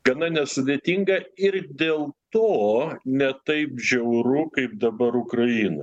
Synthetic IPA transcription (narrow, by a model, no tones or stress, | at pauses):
ɡ̥ɐnɐnʲɛsʊd̪ʲeːt̪ʲiŋɡɐɪɾd̪ʲeːlˠt̪oːnʲɛt̪ɐɪpʒʲɛʊɾʊkɐɪp̚d̪ɐbɐɾʊkɾɐjiːno̰ɪ